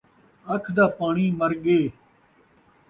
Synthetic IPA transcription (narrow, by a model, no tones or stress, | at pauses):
əkʰd̪aːpaːɳiːməɾɠeː